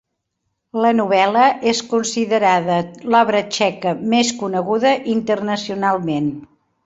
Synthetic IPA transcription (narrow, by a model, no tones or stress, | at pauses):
lənuβɛləʔeskunsiðəɾaðəlɔβɾət͡ʃɛkəmeskunəɣuðəʔint̪ərnəsiunalˠmen